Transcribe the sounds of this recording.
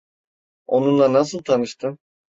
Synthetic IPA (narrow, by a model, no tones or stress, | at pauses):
o̞nunlˠanas̬ɯlˠt̪ʰanɯʃt̪ʰɯm